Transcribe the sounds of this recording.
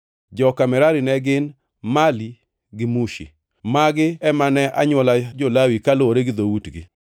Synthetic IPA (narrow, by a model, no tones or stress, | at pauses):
d͡ʒɔkamɛɾaɾinɛɡɪn | mali | ɡɪmuʃḭ | maɡɪɛmanɛʔaɲwɔlad͡ʒolawikaloɾeɡɪd̪owutɡɪ̰